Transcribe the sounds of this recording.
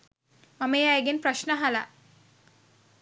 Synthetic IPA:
mameːajeɡenpɾɐʃnəɦala

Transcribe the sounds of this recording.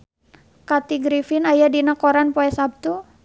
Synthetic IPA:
kat̪iɡɾifinajadinakɔɾanpoɛsab̚t̪u

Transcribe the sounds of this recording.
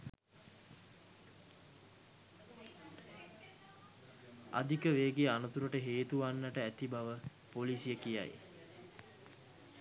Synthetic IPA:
a̰d̪ikəʋeːɡeanət̪uɾəʈəɦeːt̪uʋanːəʈəæt̪ibaʋə | polisijəkija̰j

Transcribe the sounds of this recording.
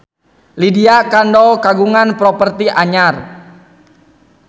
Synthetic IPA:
lidiakandɔkaɡuŋanpɾɔpərt̪iʔaɲar

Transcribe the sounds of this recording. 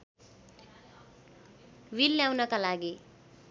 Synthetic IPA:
wilːjawnʌkalaɡi

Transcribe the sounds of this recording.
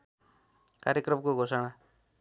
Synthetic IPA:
kaɾjʌkrʌmkoɡʱosaɽ̃a

